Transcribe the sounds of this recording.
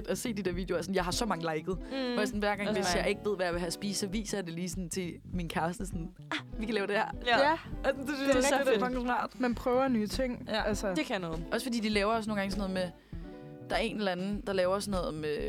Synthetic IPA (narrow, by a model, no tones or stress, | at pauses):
d̥ɒse̝̰ːd̥id̥eɐʋḭd̥e̝ɐæsnjɑ̈ɪhɑ̈sɒ̽mɑ̈ŋəlɑ̈ɪɡ̥ð̩ˠɒjasɔn̩ʋæɐɡ̥ɑŋʋe̝sjɑ̈ɪe̝ɡ̥ʋe̝ð̞̰ˠʋæjäʋe̝ɦæsb̥iːsːɒ̽ʋḭːsɐjɑ̈ɪd̥e̝liːsɔnnt͡sʰe̝ | minkʰæɐsd̥əsɔn | æʋikʰælɛːʊd̥e̝hæ̰ɐ̰ | snd̥edesʰɑŋɑ̰̈ːd̥mænpʰʁœːʊɐnyːt͡sʰeŋ̰ælsəd̥ekʰæjnɔːð̩ˠʔɒ̽sə̥fɒ̽d̥ḭːd̥ilɛːʊɐɒsnoːŋɡɑŋsɔnɔ̽ð̩ˠme | d̥ɑ̈æɐe̝nelænn̩d̥ɑ̈lɛːʊɐɒsnɔ̽ːðˠme